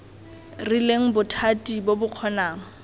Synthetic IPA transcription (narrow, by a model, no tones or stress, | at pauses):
rileŋ̩bʊtʰatʼibobʊq͡χʰɔnaːŋ̩